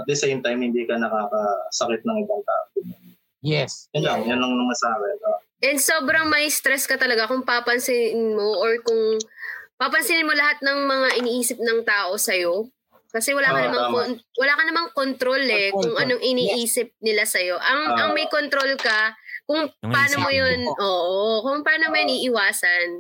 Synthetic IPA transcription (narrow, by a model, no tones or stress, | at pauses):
ɐt̪̚d̪ɐsejmt̪ajmhɪnd̪iːkɐnɐkaːkɐsɐkɪt̪̚nɐŋɪbɐŋt̪a̰ːʔokʊnɐn | jɛsɐnd͡ʒanjɐnːɐŋnɐŋɐsaːbɐba | ʔɛnd̪soːbɾɐŋmɐjst̪ɾɛskɐt̪ɐlɐɡakʊŋpapɐnsɪnnmo̞ʔoɹkʊŋ | papɐnsɪnɪnmo̞lɐɦat̪̚nɐŋmɐŋaʔɪniːʔiːsɪp̚nɐŋt̪aːʔo̞sɐjo̞ | kɐsɛwɐlaːkɐnɐmɐŋonwɐlaːkɐnɐmɐŋkont̪ɾo̞lɛkʊŋʔɐnoŋʔɪniːʔiːsɪp̚nɪlasɐjo̞ʔɐŋʔɐŋmɐjkont̪ɾo̞lkɐkʊŋpaːnomojonʔoːʔokʊŋpɐaːnomojʊniːʔɪwaːsɐn